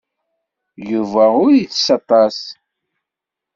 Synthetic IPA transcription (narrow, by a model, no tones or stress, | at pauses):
juvæʊɾiθsɑt̪ˤɑs